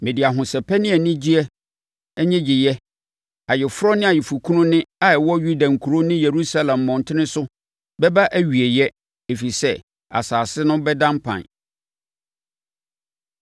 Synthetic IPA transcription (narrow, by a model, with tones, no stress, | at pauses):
mẽ˨di˨a˨ɦʊ̃˨sɛ˨pʰɛ˦nɪ̃˦ɛ˨nɪ̃˦d͡ʑi˦ɛ˦ | ɛ˦ɲɛ̃˦d͡ʑɪ˨jɛ˦ | a˨jɪ˨fʊ˦ɾɔ˦nɪ̃˦a˨jɛ˨fu˨kʰũ˦nʊ̃˦nɪ̃˦a˨ɛ˨wɔ˦ju˦dã˨ŋ̩˨kʰu˨ɾo˦nɪ̃˦je˨ɾu˦sa˦lã˨mː˨ɔ̃˨n˨tʰɪ˦nɪ̃˦sʊ˦ | bɛ˦ba˦ʔæ˦ɥi˨e˨jɛ˦ | e˨fi˨i˨sɛ˦ | a̰˨saː˨sɪ˦nʊ̃˦bɛ˦dã˦mpʰã̰˨n